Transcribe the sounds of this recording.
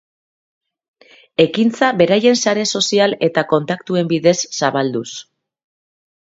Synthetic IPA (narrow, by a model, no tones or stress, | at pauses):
e̞kint͡saβe̞ɾaje̞nsaɾe̞so̞siale̞t̪ako̞nt̪akt̪ue̞mbiðe̞sːaβald̪us